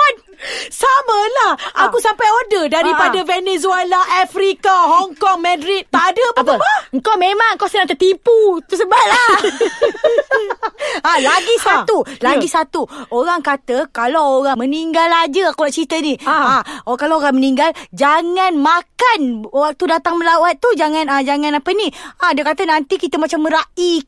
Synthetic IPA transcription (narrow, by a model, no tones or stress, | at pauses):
an | saməlahʔakusampajodədaɾipadavenezualaʔafɾikaɦɔŋkɔŋmɛ̃dɾit̪̚ːaʔadəbaəəŋkawmemãŋkawsənaŋt̪ət̪iput̪usəbat̚la | alaɡisaulaɡisat̪uoɾaŋkat̪əkalawoɾaŋməniŋɡalad͡ʒəakolaʔt͡ʃit̪əniakalaoɾaŋməniŋɡald͡ʒaŋãnmakanwak̚t̪udat̪aŋməlawat̪̚ːud͡ʒaŋãnad͡ʒaŋãnapəniadiəkat̪ənant̪ikit̪əmat͡ʃamːəɾaʔi